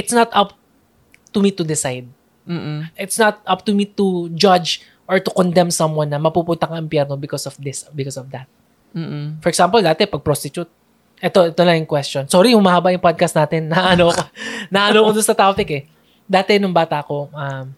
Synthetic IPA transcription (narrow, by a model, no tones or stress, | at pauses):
ʔɪt̪snɐt̪ʔɐp̚ | t̪umit̪ʊd̪ɪsajd̪̚ | m̩ːʔɪt̪snɐt̪̚ʔɐp̚t̪ʊmit̪ud͡ʒɐd͡ʒ | ʔɔɹt̪ʊkɔnd̪ɛmsɐmwɐnːɐmɐpupʊnt̪ɐkɐŋɪmpjɛɾnobɪkɔsɔfd̪ɪsbɪkɔsɔfd̪ɐt̪̩̚ː | fɔɹɛksampɐld̪aːt̪ɛpɐɡ̚pɾost̪ɪt͡ʃut̪̚ | ʔɛt̪o̞ʔɛt̪onɐjʊŋkwɛst͡ʃonsoɾijʊŋmaːhabaʔjʊŋpad̪̚kɐst̪naːt̪ɛnːaʔɐnokonaʔɐnokod̪ʊnsɐt̪ɾaːpɪkɛ | d̪aːt̪ɛnʊŋbaːt̪aʔko̞ʔɐm